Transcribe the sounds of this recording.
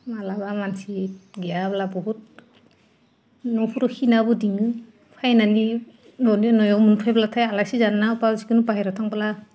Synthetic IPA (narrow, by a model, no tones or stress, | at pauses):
malabamansiɡijablabɔɦut̚ | nɔpʰuɾɔhinabɯdiŋɯ | pʰajnani | lɔninɔjawmunpʰajbalatʰajalajsizanːapasi̥kɯnupaɦajɾatʰaŋbala